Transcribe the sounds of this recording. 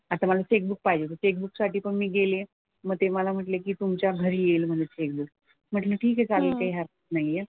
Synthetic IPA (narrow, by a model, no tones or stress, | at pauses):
at̪aməlat͡ɕek̚buk̚paɦid͡ʑet̪ət͡ɕek̚buksaʈiːpəɳmiːɡele | məɡ̚t̪eməlam̤əʈlekiːt̪umt͡ɕjaɡʱəɾijelm̤əɳd͡ʑet͡ɕek̚buk̚ | m̤əʈləʈʰiːkɦet͡salelkaɦiːɦaɾət̪naɦie